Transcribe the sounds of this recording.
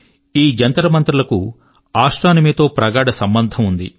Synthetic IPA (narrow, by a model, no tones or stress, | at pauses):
iːd͡ʒɐnt̪ɐɾɐmɐnt̪ɾulɐku | aːʂʈɾaːnɐmeːt̪o̞ːpɾɐɡaːɽɐsɐmbɐnd̪ʱɐmund̪ḭ